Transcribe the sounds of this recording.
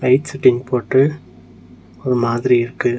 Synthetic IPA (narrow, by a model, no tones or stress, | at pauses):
ɐɪʈsɪʈːɪnpoːʈːɯ | ɔɾɯmaːðɪɾiɪɾɯkːɯ